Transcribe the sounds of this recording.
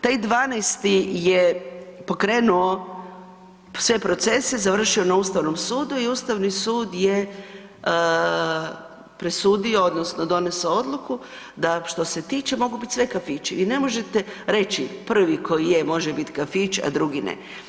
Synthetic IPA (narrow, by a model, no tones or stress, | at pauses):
t̪ajd̪ʋaːnejst̪ijepo̞kɾe̞ːnuo̞ | sʋe̞pɾo̞t̪se̞sezaʋr̩ʃio̞nauːst̪aʋno̞msuːd̪uiuːst̪aʋnisuːd̪je | pɾesuːd̪io̞od̪nosno̞d̪o̞ne̞soo̞d̪luku | d̪aʃt̪o̞se̞t̪iːt͡ʃe̞mo̞ɡubit̪ʲsʋe̞kafit͡ʃiʋine̞mo̞ʒe̞t̪e̞ɾe̞t͡ʃipr̩ʋikʰo̞jijemo̞ʒebit̪kafit͡ʃa̰d̪ɾuɡinḛ